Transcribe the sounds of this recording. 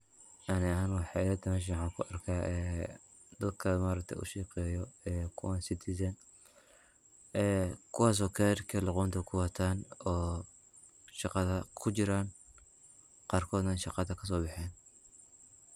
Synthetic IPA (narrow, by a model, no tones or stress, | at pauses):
ʔɐnɛanuwħɑɪjɐd̪ɐmɛːʃ̬ɐwħɑːŋkʰʊʔɐrkʰaːʔɛ | d̪ɐd̪kʰɐmaːɾɐk̚t̪ʰɛ̰jʔʊ̰ʃiːqɛːjɔɛːkʰʊwansɪt̪ʰis̬ɐn | ɛːkʰʊwɑːs̬ɔːkʰɛɾkʰɐlɑqɔːnt̪ʰɛkʰʊwɐt̪ʰaːnɔː | ʃɑqɑðɐkʰʊt͡ʃɪɾaːn | qɑːrkʰɔːd̪nɐnʃɑqɑd̪ɐkʰɐs̬ɔːbɑħɛːn